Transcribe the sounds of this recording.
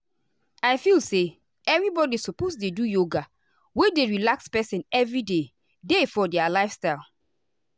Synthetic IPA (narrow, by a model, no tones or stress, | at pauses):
aɪfilse | ɛvɹibɔdisɔposdedujoɡa | wedeɹilakspɛsĩnɛvɹide | defɔdɛalaɪfstaɪlˠ